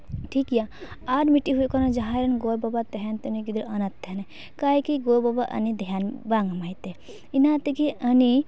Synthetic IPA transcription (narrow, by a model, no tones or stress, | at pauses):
ʈʰikjaaɖmiʈiɦukɔnɐd͡ʒaɦaɾɐnɡoɾbɔbat̪eɦent̪uniɡid̪uɾɐnɐt̪ːene | kaikiɡobɔbaʔɐ̰nid̪ʱijanbaŋɡmajt̪e | inat̪ikiʔəni